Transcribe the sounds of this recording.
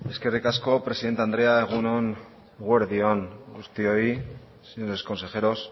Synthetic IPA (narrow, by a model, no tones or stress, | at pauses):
e̞ske̞rikasko̞pɾe̞siðent̪eand̪ɾe̞aeɣ̞unoŋ | ɣweɾðioŋɡust̪ioi | seɲoɾe̞sko̞nse̞xe̞ɾo̞s